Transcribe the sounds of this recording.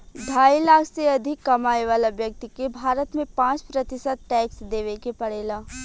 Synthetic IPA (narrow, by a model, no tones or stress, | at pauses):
d̪ʱaːilaːkʰseɐd̪ʱɪkːɐmaːiʋaːlabjɐk̚t̪ikebʱaːɾət̪mẽpãːt͡ʃpɾɐt̪ɪsəd̪̚ʈɛːksd̪eːʋekepɐɽeːlaː